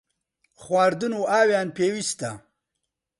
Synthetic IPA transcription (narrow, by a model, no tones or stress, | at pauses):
χwaːɾd̪unuaːwjaːnpeːwist̪a̰